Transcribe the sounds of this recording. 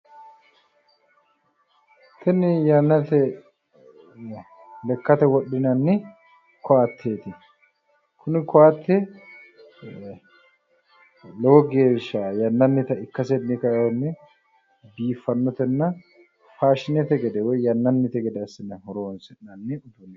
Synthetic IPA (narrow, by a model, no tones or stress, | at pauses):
t̪ʰɛnɪjɐnːɐt̪ɛ | lɛkːɐt̪ɛwɔɗːɪnɐnːɪ | kɔaːt̪ʰːeːt̪ɪ | kʰʊnɪkɔaːt̪ːɛ | lɔwɔɡe̞ːʃːajɐnːɐnːɪt̪ɐɪkːɐsɛnɪkɐjɔnːɛ | biːfːɐnːɔt̪ɛnːɐ | faːʃɪnɛt̪ɛɡɛd̪ɛwɔjjɐnːɐnːɪt̪ɛɡɛd̪ɛɐsːɪnɐhɔɾoːnsɛnnɐnːɪʊd̪ʊnː